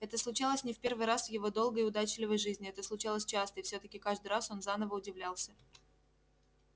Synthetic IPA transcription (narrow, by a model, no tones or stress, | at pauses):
ɛt̪əslˠʊt͡ɕalˠəsʲnʲɪfʲpʲe̞rvɨjɾasvjɪvo̞d̪o̞lˠɡəɪʊd̪at͡ɕɪlʲɪvəjʐɨzʲnʲɪɛt̪əslˠʊt͡ɕalˠəsʲt͡ɕast̪əɪfsʲɵt̪əkʲɪkaʐd̪ɨjraso̞nzanəvəʊdʲɪvlʲalˠsʲə